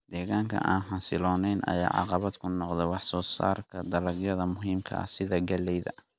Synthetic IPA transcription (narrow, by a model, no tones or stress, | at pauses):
d̪̥ɛːɣaːŋkʰɐ̰ʔaːnħɑsɪlɔːnɛjnɐ̰ja̰ːʕɑ̰qɑβɐd̪kʰʊnːɔqd̪ɛjwɑħsɔːsa̰ːrkʰɐd̪ɐlɐɡjɐðɐmʊɦiːmkʰɐ̰ʔɐ̰sɪðɐɡɐlɛjðɐ̰